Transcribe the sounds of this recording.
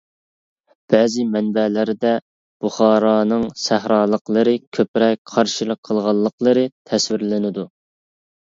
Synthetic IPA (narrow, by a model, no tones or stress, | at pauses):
b̥ɛːzɪmɛnbɛlɪɾɪd̪ɛ | b̥uχɑːɾɑːnɨŋsæhɾɑːlˠəqlˠəɾɨkʲʰøpɾɛk̚ʲqʰɑɾʃilˠəqʰəlˠʁɑlˠːəqlˠəɾɨt̪ʰɛswɪɾlɪnɪd̪u